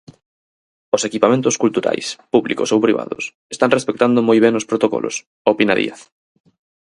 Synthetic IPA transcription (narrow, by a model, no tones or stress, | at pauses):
osekipamẽnt̪ʊskult̪uɾa̰jspuβliko̰sowpɾiβa̰ðʊ̰sest̪aŋrespek̚t̪and̪omojβ̞ɛŋʊspɾot̪okɔ̰lʔo̰s | opinaðḭaθ